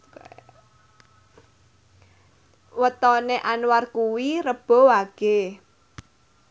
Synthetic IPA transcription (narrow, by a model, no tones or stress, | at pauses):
wət̪ɔneʔanwarkuwiɾəb̥ɔ̤waɡ̥e